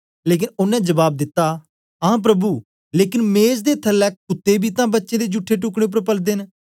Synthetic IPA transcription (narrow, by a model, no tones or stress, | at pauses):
leːk̬ɪnʊnɛ̃ːd͡ʒəbaːb̚d̪ɪt̪ːaː | ãːp̬ɾəbuː | leːkɪnmeːzd̪eːt̪ʰəlːɛːkkʊt̪ːeːbʱiːt̪ãːbətːʃẽːd̪eːd͡ʒʊʈʰːeːʈ̬ʊkɽ̃eːp̬əɾpəld̪eːn